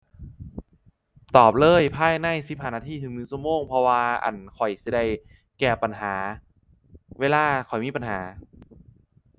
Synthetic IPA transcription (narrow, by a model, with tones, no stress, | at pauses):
t̪ɔː˨˩p̚lɤː˧˥˩jpʰaː˧˥˩jnaː˧˥˩jsi˧˦˥p̚haː˧˩naː˧˩t̪ʰiː˧˥t̪ʰɯ˨˩˦ŋnɯː˧˦sʰu˧˩əmoː˧˩˨ŋpʰɔ˧waː˧ʔa̰˨˩nkʰɔ˨˩jsi˧˩da˧˩j | kɛː˧˩pa˧˨nɦaː˩˦ | weː˧laː˧kʰɔ˨˩jmiː˧˥˩pa˨nɦaː˩˦